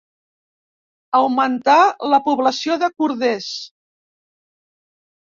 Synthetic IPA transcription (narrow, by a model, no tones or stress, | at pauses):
əwmənt̪aləpuβləsioðəkuɾðes